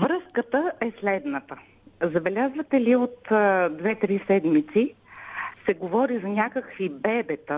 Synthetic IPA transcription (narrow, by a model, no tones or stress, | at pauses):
vɾɤskət̪əɛslɛd̪nət̪ə | zɐbɛlʲazvɐt̪ɛliot̪d̪vɛt̪ɾisɛd̪mit̪si | sɛɡovɔɾizɐnʲakəkvibɛbɛt̪ə